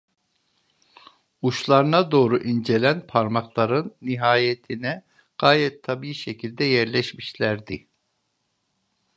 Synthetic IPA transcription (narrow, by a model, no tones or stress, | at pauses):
uʃlˠaɾɯnad̪o̞ːɾuʔind͡ʒe̞lʲænpʰaɾmaklˠaɾɯnːiɦaːjet̪ʰinɛ | ɡ̥aːjɛt̪ʰːabiːiʃecʰilʲd̪ɛjæɾlʲɛʃmiʃlʲæɾd̪i